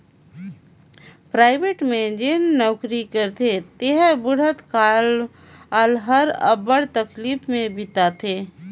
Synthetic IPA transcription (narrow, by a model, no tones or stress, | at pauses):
pɾaːɪbeːʈmẽd͡ʒeːnːɔːkɾikəɾt̪ʰet̪eɦəbʊɽ̤ət̪kal | aːlɦəɾə̰bəɽt̪əkliːfmẽbʱɪt̪at̪ʰeː